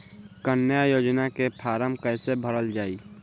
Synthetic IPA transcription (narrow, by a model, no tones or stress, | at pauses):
kənjajoːd͡ʒnakepʰaːɾəmkəɪsebʱəɾəld͡ʒaːi